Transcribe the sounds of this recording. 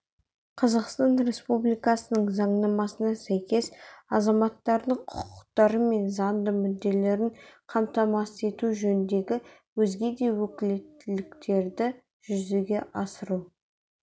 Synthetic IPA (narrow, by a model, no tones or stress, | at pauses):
qʰɑzɑqst̪ɑnɾe̞spublijkɑsənəɴzɑɴnɑmɑsənɑsæjkʲe̞sɑzɑmɑt̪ːɑɾd̪əɴqʰʊ̥qʰʊqt̪ɑɾəme̞nzɑnd̪əmʏd̪ːe̞le̞ɾɪɴqʰɑmt̪ɑmɑse̞t̪uʒɵnɪnd̪e̞ɡʲɪ | wɵzɡʲe̞d̪e̞wɵkʲɪle̞t̪ːɪlɪkt̪ʰe̞ɾd̪ɪ | ʒ̥ʏzeɡʲe̞ʔɑsəɾu